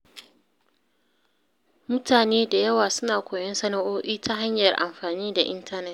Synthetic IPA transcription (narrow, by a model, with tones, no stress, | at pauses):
mʊ˦taː˨neː˦da˨jɐ˦waː˨sʊ˦naː˨kʷoː˨jɐ˦nsɐ˦na˦ʔoː˦ʔiː˦ta˦ɦa˦ɲjɐ˨rʔa̰˨mɸaː˨niː˦da˨ʔɪ˦ntɐ˦nɛ˦˨t